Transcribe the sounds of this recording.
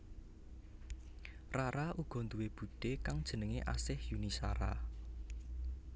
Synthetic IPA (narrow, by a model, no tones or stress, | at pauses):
raɾaʔuɡ̥ɔ̤nd̪uweb̥ṳɖ̥ekaŋd̥ʒ̥ə̤nəŋeʔa̰sɪhjunisa̰ɾa̰